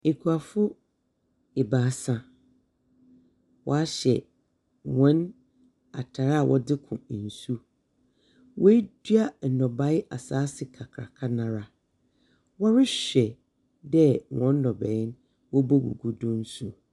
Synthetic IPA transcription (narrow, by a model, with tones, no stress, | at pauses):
e˨kʰu˨a˨fʊ˦ | ɪ˨baː˨˦sã˨ | wɔ̰˦a˦ɕɛ̰˨ | wɔ̃˦n | a̰˨tʰa˨ɾa˦˨wʔɔ̰˦dɪ˦kʰʊ̰̃˨n̩˨su˦ | wʔɔ˦e˦dɥa˦n̩˨nɔ̃˨ba˦ɪ˦ʔa˨saː˦sɪ˨kʰa˨kʰɾa̰˨kʰa˦nã˨ɾa˨ | wɔ˦ɾɪ˦ɕᶣɛ˨ | dɛ˦wɔ̃˨˦n˦nɔ̃˨bɛ˨˦n | wɔ˦bɔ˦ɡṵ˨ɡu˨dʊ̃˦n̩˦su˨